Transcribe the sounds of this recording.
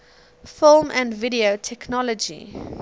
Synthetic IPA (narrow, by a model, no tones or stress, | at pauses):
fɪlˠmʔæ̃ndviɾiotʰɛknɔlɔd͡ʒḭ